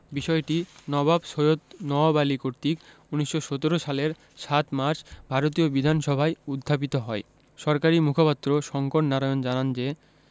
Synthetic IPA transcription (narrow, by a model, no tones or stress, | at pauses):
biʃɔeʈinɔbʱabsojot̪nɔbalikoɾt̪ik | uniʃʃːoʃot̪oɾoʃaleɾ | ʃat̪maɾʃbʱaɾot̪̬iobid̪ʱanʃɔbʱaeud̪ʱːap̬it̪oɦɔe | ʃɔɾkaɾimukʰopat̪ːɾoʃɔŋkoʈnaɾajond͡ʑanand͡ʑe